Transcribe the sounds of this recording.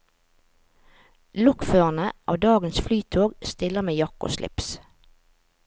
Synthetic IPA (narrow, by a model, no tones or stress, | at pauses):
lɔkføːʁənəʔɑ̰ːʋd̪ɑːɡənsflyːt̪ʰoːɡst̪ɪləmeːjɑko̰ːʃlɪ̰ps